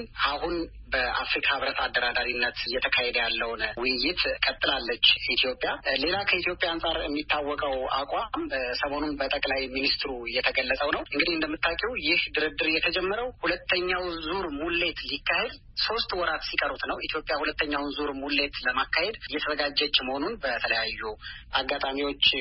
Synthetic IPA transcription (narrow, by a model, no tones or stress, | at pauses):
ʔahun | bəʔafɾikʰʼaβɾət̪ad̪ːəɾad̪aɾinːət̪jːɛt̪ʰəkʰahed̪əjalːəwnwʊjɪt̪kʼət̪ʼːɨlalːət͡ʃːit̪ʰijo̞pʼːjale̞lakʰəit̪jo̞pʼjaansʼaɾɛmːit̪ʰːawːɔkʼəwʔa̰kʼamsəmo̞nunbət̪ʼəkʼlajminist̪ɾujɛt̪ʰəɡəlːəsʼəwnəwʔɨŋɡɨd̪ihɨnd̪əmːɨt̪ʰːakʼɛwjɪhd̪ɨɾɨd̪ɨɾjɛt̪ʰəd͡ʒɛmːəɾəwhulət̪ʰːəɲːawzuɾmulːe̞t̪likːahe̞d̪ | so̞st̪wɔɾat̪sikʼəɾut̪nəwit̪ʰjo̞pʼjahulət̪ːəɲːawnzuɾmulːe̞t̪ləmakːahe̞d̪ɨjːɛt̪ʰəzəɡad͡ʒːɛt͡ʃːməho̞nunbət̪ʰələjajːuʔaɡːat̪ʼamiwo̞t͡ʃː